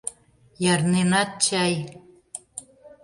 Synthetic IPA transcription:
jɑɾnenɑt̪̚t͡ɕɑj

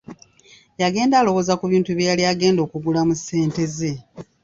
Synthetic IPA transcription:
jaɡe̞ːndaːlo̞wozakuβiːntuβjaliaɡe̞ːndo̞ːkuɡulamusːe̞ːnte̞ze̞

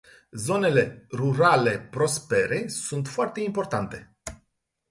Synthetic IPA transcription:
zo̞ne̞le̞ruɾale̞pɾo̞spe̞ɾʔe̞sunt̪foart̪e̞impo̞rt̪ant̪e̞

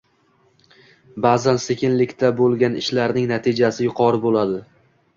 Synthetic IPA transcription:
bazansekʲɪnlɪkʲt̪ʰabolˠɡʲanɪʃlaɾnɪŋnat̪ʰɪd͡ʒasɪjʊqʰɒɾɪbolad̪ɪ

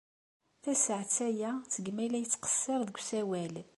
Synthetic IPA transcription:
θæsəʕt͡sːæjæt͡sːəɡmælæjət͡sːqə̥sːɪɾˤðəɡʷsæwæl

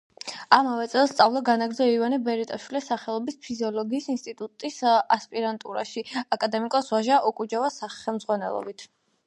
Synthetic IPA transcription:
amavɛt̪sʼɛlˠst̪sʼavlˠaɡanaɡɾd̪zɔivanibɛɾit̪ʼaʃwilisaχɛlˠɔbispʰiziɔlɔɡiːsinst̪ʼit̪ʼut̪ʼisaspʼiɾant̪ʼuɾa̰ʃiakʼad̪ɛmikʼɔsvaʒaʔɔkʼud͡ʒavasaχɛlˠmzʁwanɛlˠɔ̰bit̪ʰ

